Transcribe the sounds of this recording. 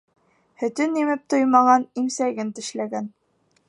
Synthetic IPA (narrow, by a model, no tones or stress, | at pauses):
hɵ̆t̪ɵnimɘp̚t̪ojmɑʁɑnimsæɡɘnt̪ɘ̆ʃlæɡæn